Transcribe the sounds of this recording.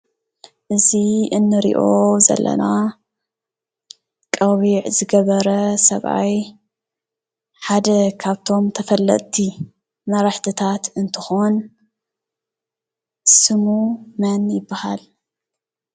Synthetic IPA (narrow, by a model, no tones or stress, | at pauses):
ʔɨziɨnːɨɾḭʔo̞zɐ̰lːɐ̰na | kʼɐwiʕzɨɡɐβɐɾɐsɐβʔa̰j | ħad̪ɐkʰaβt̪ʰo̞mt̪ʰɐfɐlːɐ̰t̪ʼt̪ʰi | mɐɾaħt̪ʰɨt̪ʰat̪ɨnt̪ʰɨxo̞n | sɨmumɐnjɪbːaha̰l